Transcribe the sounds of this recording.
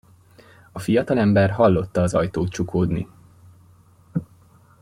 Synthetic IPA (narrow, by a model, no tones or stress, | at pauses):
ɒfijɒt̪ɒlɛmbɛrɦɒlːo̞t̪ːɒːzɒjt̪oːt̪̚t͡ʃukʰoːd̪nḭ